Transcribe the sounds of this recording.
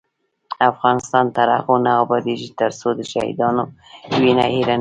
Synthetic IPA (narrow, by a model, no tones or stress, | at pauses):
afɣɑnɪst̪ɑnt̪aɾaxonaːbɑd̪eʒit̪əɾsod̪əʃa̰hḭd̪ɑnowinaiɾa